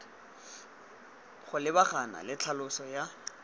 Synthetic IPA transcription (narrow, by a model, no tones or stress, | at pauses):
χʊlɪbaχana̰lɪt͡ɬʰalʊsɔja